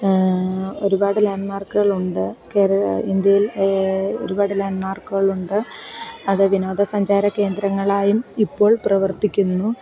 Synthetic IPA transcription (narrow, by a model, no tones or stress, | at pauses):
o̞̰ɾubaːɽɨlaːɳɖmaːrkːuɣɐɭuɳɖɨkeːɾɐind̪jɐjil | o̞̰ɾubaːɽɨlaːnɖmaːrkuɣɐɭuɳɖɨɐðɨʋino̞ːd̪ɐsɐɲd͡ʑaːɾɐke̞ːnd̪ɾɐŋːɐɭaːjumipːo̞ːɭprɐʋɐrt̪ikʲːunːu